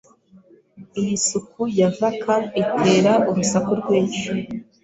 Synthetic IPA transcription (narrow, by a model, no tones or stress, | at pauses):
ijisukʰujavakʰanitʰe̞ːɾaʔuɾusakuɾɡweːɲt͡ʃu